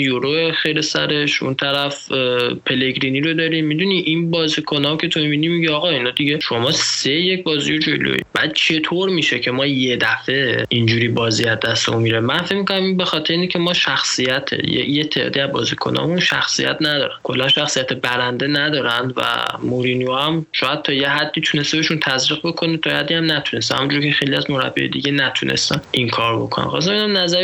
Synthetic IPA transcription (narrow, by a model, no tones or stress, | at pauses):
joɾoexe̞jlesæ̰ɾe̞ʃṵnt̪ʰæɾæfpʰe̞le̞ɡɾiniɾod̪ɒːɾimːid̪uniʔinbɒːzikʰo̞nɒcʰe̞t̪ʰomiminimiɟeɒːɣɒinɒd̪iɟe̞ʃo̞mɒːsejec̚bɒːzḭjod͡ʒo̰lo̰ḭbæ̰d̪̥̚t͡ʃʰe̞t̪ʰoɾmiːʃe̞cʰe̞mɒːje̞d̪æfe̞ind͡ʒuːɾiːbɒːziːæzːæst̪oumiɾemænfecmikʰonæminbe̞xɒːt̪ʰeɾeincʰe̞mɒːʃæxsijæt̪ʰḛjḛjet̪ʰːed̪ɒ̰ːd̪iæbɒ̰ːzikʰo̞̰nɒ̰munʃæ̰xsḭjæ̰t̪ʰnæd̪ɒːɾænkʰo̞lːænʃæxsijæt̪ʰebæɾænd̪e̞næd̪ɒːɾænd̪væ̰moɾinioæmʃɔːjæd̪̥̚t̪ʰɒːjeɦæd̪ːiːt̪ʰune̞st̪ebeʃunt̪ʰæzɾiɣbo̞kʰo̞net̪ʰɒːjhæd̪ːiæmnæt̪ʰune̞st̪ehæ̰mund͡ʒuɾcʰexe̞jliæzmoɾæ̰bːḭḛd̪iɟe̞næt̪ʰunʔe̞̰st̪ænʔiŋkʰɒːɾbo̞kʰonæ̰mxɒ̰ːs̬embed̪æmnæzæɾ